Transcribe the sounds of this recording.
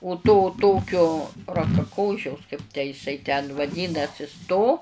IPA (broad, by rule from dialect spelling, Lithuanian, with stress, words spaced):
ʊ toː ˈtoːkʲoː rɐkɐˈkoːʃʲɛʊs kɐɪp tʲæː jɪˈsɐɪ tʲɛn ʋɐˈdʲiːnɐsʲɪs toː